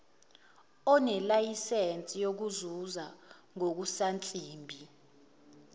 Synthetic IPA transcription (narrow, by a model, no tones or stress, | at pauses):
ɔnɛlajisent͡sʼijok̬uzuza | ŋok̬usant͡ɬʼiːmbʱi